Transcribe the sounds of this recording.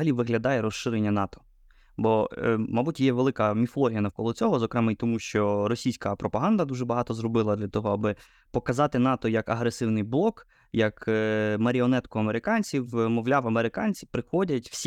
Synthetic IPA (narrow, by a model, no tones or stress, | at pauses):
ɐlʲiʋɪɦlʲɐd̪ɑjɛɾɔsʃɪɾenʲːɐnɑt̪ɔ̥ | bɔmɐbutʲjɛʋelˠɪkɐmʲifɔlˠɔɦʲijɐnɐwkɔlˠɔt͡sʲɔɦɔzɔkɾɛmɛit̪ɔmuʃt͡ʃɔɾɔsʲijsʲkɐpɾɔpɐɦɑnd̪ɐd̪uʒɛbɐɦɑt̪ɔzrɔbɪlˠɐd̪lʲɐt̪ɔɦɔɑbɪ | pɔkɐzɑt̪ɪn̪ɑt̪ɔjɐkɐɦɾesɪwnɪjblˠɔk | jɐkmɐɾʲiɔnɛt̪kʊɐmeɾɪkɑnʲt͡sʲiwmɔwlʲawɐmeɾɪkɑnʲt͡sʲipɾɪxɔdʲɐtʲw̥sʲ